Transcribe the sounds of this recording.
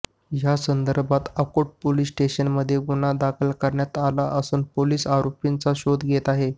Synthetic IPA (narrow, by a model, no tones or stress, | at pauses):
jasənd̪əɾbat̪əkoʈ̚poliːsʈeɕənməd̪ʱːjeɡunad̪akʰəlkʰəɾɳjat̪alaʔəsuːnpoliːsaɾopint͡saɕod̪ɡʱet̪aɦe